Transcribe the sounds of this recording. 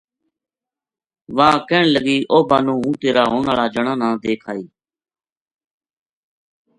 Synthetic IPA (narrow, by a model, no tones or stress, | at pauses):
ʋãːkɛːɳləɡiːʔoːbaːnũːũːt̪eːɾaːɦoːɳaːlaːd͡ʒəɳãːnãːd̪eːkʰaːiː